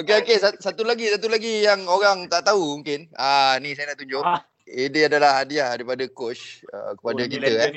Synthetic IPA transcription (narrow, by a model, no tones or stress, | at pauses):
okeokesasat̪ulaɡisat̪ulaɡijaŋoɾaŋt̪aʔt̪aɦumuŋkɪnanisajanaʔt̪uɲd͡ʒʊʔ̚ | idiadalahadiahdəɾipadakot͡ʃə̰kə̥padakit̪əɛ